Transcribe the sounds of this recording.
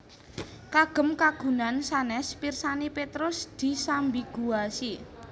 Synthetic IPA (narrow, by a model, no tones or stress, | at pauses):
kaɡ̥ə̤mkaɡ̥ṳnansanɛspirsanipet̪ɾʊsd̪̥i̤sambiɡ̥uasi